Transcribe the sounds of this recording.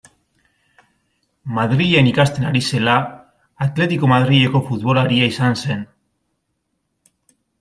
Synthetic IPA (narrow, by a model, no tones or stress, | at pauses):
maðɾiʝe̞nikast̪enaɾise̞laː | t̪le̞t̪iko̞maðɾiʎe̞ko̞fut̪βo̞laɾiaisanse̞n